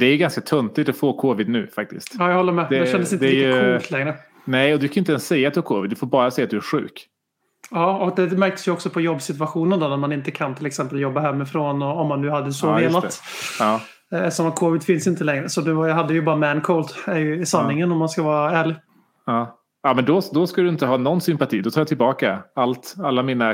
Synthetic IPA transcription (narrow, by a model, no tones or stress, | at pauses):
d̪̥ɛæɾjɡanskat̪ʰɵnt̪ɪt̪ɔfoːkʰoːvɪd̪nʉ̟ːfak̚t̪ɪ̰st̪ɑːjahɔlːəɾmɛd̪dɛɛʃɛnd̪əsɪnɛljəɵkʰlt̪ʰlɛŋɾə | nɛjɔd̪ɵkʰanjʏnt̪ɛnssɛjːat̪d̪ɵhæɾkʰoːvɪd̪d̪ɵfɔːɾbɑːɾasɛjːat̪d̪ɵæɧʉ̟̰ːk | ɑːɔkd̪ɛmæɾk̚t̪ə̥sjɵɔksɔpʰɔjɔbːsɪt̪vaɧuːnənd̪ɔnɛnmanɪnt̪əkʰant̪ʰɪlɛksɛmpəljɔbːaɦɛmːɪfɾoːnɔɔmːanːʉ̟ːhad̪ːəsɔveːlat̪ | ɑː | ɛsɔmat̪̚kʰoːvɪd̪fɪnsɪnt̪əlɛŋɾəsɔnʉ̟ːjɦad̪ːəjɵbɑːɾamænkʰɔlt̪ɛɾjɵɪsanːɪŋənɔmːanskavɑːɾaæːɭɪɡ | ɑː | ɑːmɛnd̪ɔd̪ɔskad̪ɵɪnt̪əɦɑːnɔnːsʏmpat̪ʰiːd̪ɔt̪ʰɑːjat̪ʰɪlbɑːkaalt̪alːamina